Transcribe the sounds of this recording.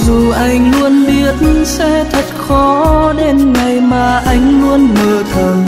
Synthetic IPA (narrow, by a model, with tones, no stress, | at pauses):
zu˨˩ʔa˧jŋ̟lu˧ənɓi˧˩ət̚nsɛ˧t̪ʰə˨˩t̚xɔ˨˦ɗe˧˥nŋa˨˩jmaː˨˩ʔa˨˧˦jŋ̟lu˧ənməː˨˩t̪ʰə˨˩n